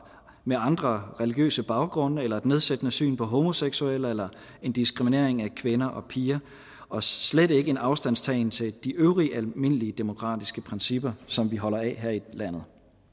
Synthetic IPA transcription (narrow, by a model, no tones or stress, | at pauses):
meɑ̈nd̥ʁɐʁɛliɡ̥jø̰ːsəb̥ɑ̈ʊɡ̥ʁɔ̽nɐelɐe̝d̥ne̝ð̞ˠsed̥ənəsy̰ːnpʰɒ̽ɦo̝mo̝seɡ̥suel̰əelɐ | e̝nd̥isɡ̥ʁimine̝̰ɐ̰e̝ŋækʰʋe̝nɐʔɒ̽pʰiːɐ | ʔɒ̽sled̥e̝ɡ̥əe̝nɑ̈ʊsd̥æn̰st͡sʰɛ̰ɪnt͡sʰe̝ld̥iʔøʊʁiʔælme̝n̰əliəd̥e̝mo̝kʰʁɑ̰̈ːd̥isɡ̥əpʰʁɛnsib̥ɐsɒ̽mʋiɦɒ̽lɐɛɦeɐ̰ilæn̰ð̞̩ˠ